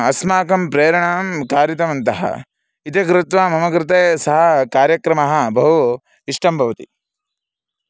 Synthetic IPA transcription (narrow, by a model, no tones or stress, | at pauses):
ɐsmaːkɐmpɾeːɾɐɳaːmkaːɾjit̪̬ɐmɐnt̪ɐɦɐ̰ | it̪ikɾɪt̪ʋaːmɐmɐɡɾɪt̪eːsɐɦɐkaːɾjɐkɾɐmɐɦɐ̆bʱɐɦu | iʂʈɐmbʱɐʋɐt̪i